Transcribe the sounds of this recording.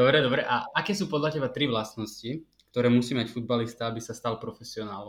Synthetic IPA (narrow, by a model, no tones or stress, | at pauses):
d̪ɔbɾɛd̪ɔbɾɛʔaakɛːsuːpɔd̪ʎacɛbat̪ɾiʋlast̪nɔsci | kt̪ɔɾɛːmusiːmacfud̪̚balist̪aabisast̪alpɾɔfɛsiɔnaːlɔ